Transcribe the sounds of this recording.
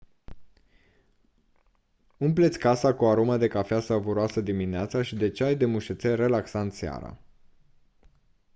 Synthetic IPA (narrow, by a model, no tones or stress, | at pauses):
umplet̪sʲkasakuaɾumad̪e̞kafeasavuɾoasəd̪imineat̪saʃid̪e̞t͡ʃeajd̪e̞muʃet̪sere̞laksant̪sea̰ɾa̰